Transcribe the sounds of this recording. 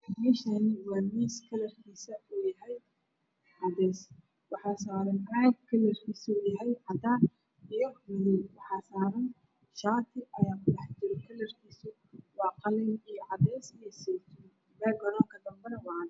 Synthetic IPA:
miːʃɐnɪwɑːmiːskʰɐlɐrkʰiːsɐuːjɐɦɛj | ʕɑd̪ɛːs | wɑħɑːsaːɾɐnʕaːɡ̪̚kʰɐlɛrkʰiːsuːjɐɦɛjʕɑd̪aːn | ijɔmɐðilwɑħɑːsaːɾɐn | ʃaːt̪ʰɪʔɐjaːkʰʊlɑħd͡ʒɪɾɛkʰɐlɐrkʰiːsʊ | wɑːqɑlɛnijɔʕɑd̪ɛːsijɐsiːt̪ʰʊ | lɛːɡɐɾɔːŋkʰɐd̪ɐmbɐɾɐwɑːn

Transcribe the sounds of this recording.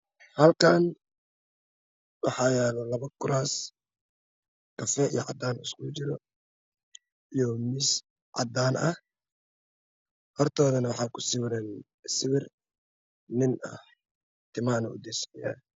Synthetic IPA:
hɐlkʰaːn | wɑħɑːjɛːlɐlɐβɐkʰʊɾaːs | kʰɐfɛʔḭjɔ̰ʕɑ̰d̪aːnɪskʊt͡ʃɪɾɔ | ijɔmɪs | ʕɑ̰d̪aːnɐh | hɔrt̪ʰɔːðɐnɐwɑħɑːkʰʊ̥sɪβɪɾɛn | sɪβɪr | nɪnɐ̰h | t̪ʰɪmaːnɔ̰ʊ̰d̪ɛsja̰ː

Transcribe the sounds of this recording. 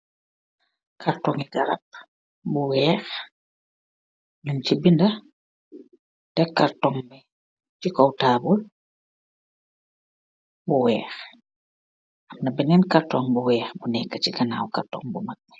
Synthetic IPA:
kʰaɾtɔŋiɡaɾɐ̰p̚ | buwɛːx | ɲuncibindɐ | tɛkaɾtɔŋbɛ | t͡ʃikɔwtaːbul | buwɛːx | ʔɐmnɐbɛnɛnkaɾtɔŋbuwɛːxbunɛkːat͡ʃiɡɐna̰ːwka̰ɾtɔ̰ːŋbumak̚

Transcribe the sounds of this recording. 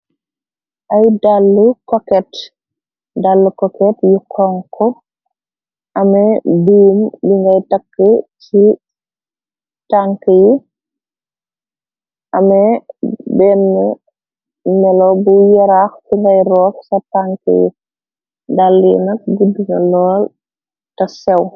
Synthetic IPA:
ʔajdalːukɔkɛt | dalːukɔkɛtjukʰɔŋkʰɔ | ʔɐmɛbuːmbiŋɡajtakːət͡ʃi | taŋkəji | ʔɐmɛbɛnːɛ | mɛlɔbujɛɾaxbiŋɡɐjɾɔːfsɐtaŋkə̰jḭ | dalːḭnɐk̚ɡuduŋɐlɔːl | tɐsɛw

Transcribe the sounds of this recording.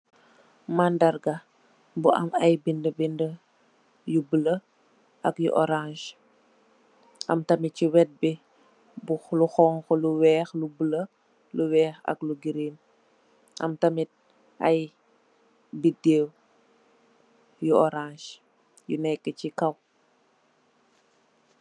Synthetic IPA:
mandɐrɡɐ | buʔɐ̰mɐjbindəbində | jubələ | ʔɐkjṵʔɔɾãʃ | ʔɐ̰mtɐmiciwɛt̚bi | buluxɔːŋxɔluwɛːxlubələ | luwɛːxɐ̰kluɡiɾeːn | ʔɐ̰mtɐmit̚ | ɐj | bideːw | juɔɾãːʃ | jṵnɛkːəcikɐw

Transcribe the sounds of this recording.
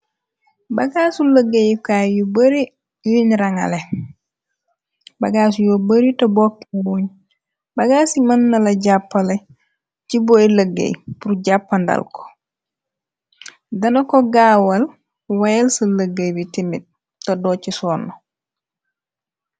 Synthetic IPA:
bɐɡaːsulɐɡːejkaːjubɐɾi | juɲɾɐŋɐ̰le | bɐɡaːs̬ujobɐɾitɐboːk̚tbuɲ | bɐɡaːsimɐnːɐlɐɟapːɐlɐ | ciboilɐɡːḛjpuɾɟapːɐndɐ̰lko̥ | dɐnɐkoɡaːwɐl | wɐjɛlsɐlɐɡejbitimit̚ | tɐdoːcisɔːnːo

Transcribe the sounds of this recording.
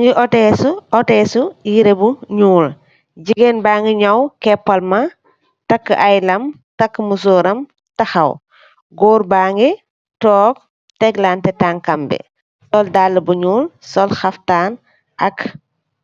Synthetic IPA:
ɲd͡ʒiʔɔtɛsuɔtɛsuiɾebuɲuːl | ɟiɡenbaːŋɡiɲɔwkɛpːɐlmɐ | tɐkːʔajlɐm | tɐkːmus̬uɾɐm | tɐxɐw | ɡɔːɾbaːŋɡi | tɔːk̚ | tɛɡlaːntɛtaːŋkɐmbɛ̰ | sɔldalːəbuɲuːlsɔlxɐftaːn | ʔɐk

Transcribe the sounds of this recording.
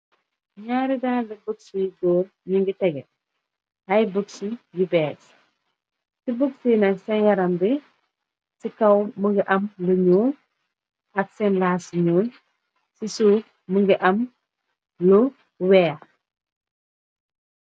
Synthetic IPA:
ɲaɾidaːlɐbəksujiɡoːl | ɲiŋɡitɛɡɛ | ɐjbəksujibɛːs | sibəksiːnɐsɛnjɐɾɐmbɛ | sikɐwməŋɡiʔɐmlɐɲoːn | ʔɐk̚sɛnlaːsɲoːn | sisuː | məŋɡiʔɐm | lo | wɛː

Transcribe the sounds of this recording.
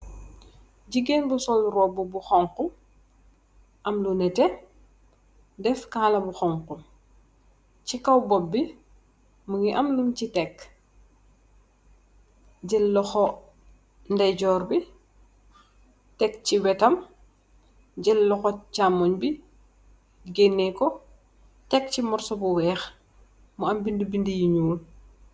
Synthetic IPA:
ɟiɡeːnbusɔlrɔːbubuxɔŋku | ʔɐmlunɛtɛ | dɛfkaːlɐbuxɔŋku | cikɐwbɔbːi | məɡiʔɐmluncitɛkː | ɟɛlːɔxɔ | ndɐjɟɔːrbi | tɛkciwɛtɐm | ɟɛlːɔxɔcamːɔɲbi | ɡenːɛkɔ | tɛk̚cimɔɾsɔbuwɛːx | muɐmbindibindijiɲuːl

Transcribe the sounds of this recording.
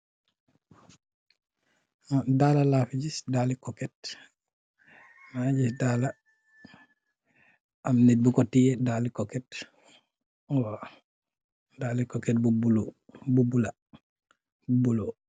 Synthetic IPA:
daːlalafiɟisdalikɔkɛt | naɟisdala | amnɛt̚bukɔtiɛdalikɔkɛt | wa | daːlikɔkɛt̚bubulo | bubula | bubulo

